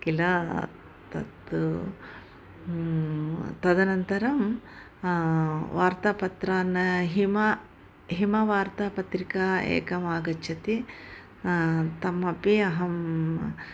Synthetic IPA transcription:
kilɐ | t̪ɐ̰t̪ | t̪ɐd̪ɐnɐnt̪ɐɾɐm | ʋaːɾt̪ɐpɐt̪ɾaːnɐɦimɐ | ɦimɐʋaːɾt̪ɐpɐt̪ɾikaḛːkɐmaːɡɐt͡ʃʰɐt̪i | t̪ɐmɐpiɐɦɐm

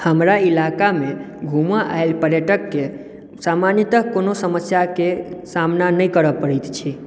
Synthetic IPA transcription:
həmɾailakame | ɡʱumaʔa̰elpəɾjəʈəkːe | samanjət̪əkːonosəməsjakesamnanəjkəɾəpəɾɛjt̪t͡ʃʰi

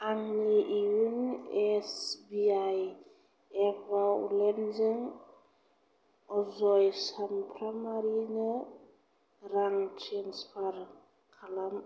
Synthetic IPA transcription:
aŋniʔiunɛsbiaj | ɛpʰaṵlɛnzɯŋ | ɔzɔjsanpʰɾamaɾinɯ | ɾaŋtʰeŋspʰaɾ | kʰalam

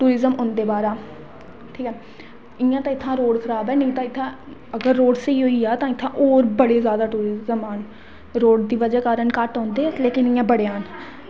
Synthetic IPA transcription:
ʈuːɾɪzəmõnd̪eːbaːɾaː | ʈʰiːkɛː | ɪjãːt̪ãːɪt̪ʰːãːɾoːɽkʰəɾaːbɛːnəĩːt̪ãːɪt̪ʰːãː | əɡəɾːoːɖseiːɦoːiːaːt̪ãːɪt̪ʰːãːʔoːɾbəɽeːzjaːd̪aːʈuːɾɪzəmaːn | ɾoːɽd̪iːʋəd͡ʒaːkaːɾəɳkaʈɔ̃ːnd̪eːɛːleːkɪnɪːãːbəɽeːaːn

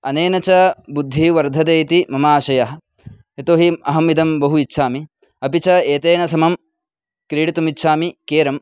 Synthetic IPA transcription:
ɐneːnɐt͡ʃɐbud̪ʱːiʋɐɾd̪ʱɐd̪eːt̪imɐmaːʃɐjɐɦɐ | et̪oːɦiɐɦɐmid̪ɐmbɐɦuitːʃʰaːmi | ɐpit͡ʃɐeːt̪eːnɐsɐmɐm | kɾiːɽit̪umitːʃʰaːmikeːɾɐm

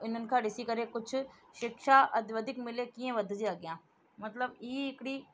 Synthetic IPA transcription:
ɪnənkʰãɖɪsikəɾekʊt͡ʃʰ | ʃɪkʃaʔɐd̪ʋəd̪ʱɪkmɪlekiẽʋɐd̪ʱd͡ʒeaːɡɪjãː | mɐt̪ləbiːɪkɽiː

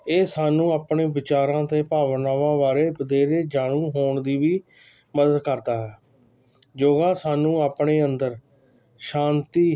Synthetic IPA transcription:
eːsaːnũːaːpɳeːbɪt͡ʃaːɾãːt̪eːpaːʋnaːʋãːʋaːɾeːpəd̪eːɾeːd͡ʒaːɽ̃ũːɦoːɳd̪iːʋiː | məd̪əd̪kəɾd̪aːɦɛː | d͡ʒoːɡaːsaːnũːaːpɳeːənd̪əɾ | ʃãːnt̪iː

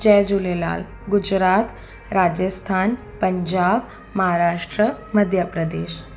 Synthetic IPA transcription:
t͡ɕɛjd͡ʑulela̰l | ɡud͡ʒɾat̪ | ɾad͡ʑəst̪ʰaːn | pəɲd͡ʑab | məɦaɾaʂʈɾə | məd̪ʱjəpɾəd̪eːɕ

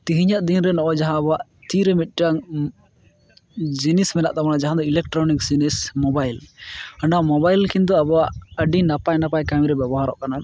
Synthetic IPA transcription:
t̪iɦiɲaʔd̪inɾɛnɔ̃ʔɔd͡ʒaɦãːbɔaʔt̪iɾɛmit̪̚ˀʈaŋ | d͡ʒinismɛnaʔt̪abɔnad͡ʒaɦãd̪ɔilɛk̚ʈɾɔniksinismɔbajlaɳɖamɔbajlkind̪̬ɔabɔwaʔəɖinapajnapajkamiɾɛbɛbɔɦaɾɔ̰ʔkanal

